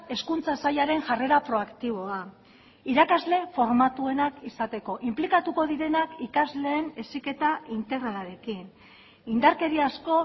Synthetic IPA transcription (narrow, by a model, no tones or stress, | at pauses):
e̞skunt͡sasajaɾe̞ŋʝare̞ɾapɾo̞akt̪iβ̞o̞a | iɾakazle̞fo̞ɾmat̪ue̞nakisat̪e̞ko̞ʔimplikat̪uko̞ðiɾe̞nakikazle̞ːne̞sike̞t̪aint̪e̞ɣɾaaɾe̞kin | ind̪aɾke̞ɾiasko̞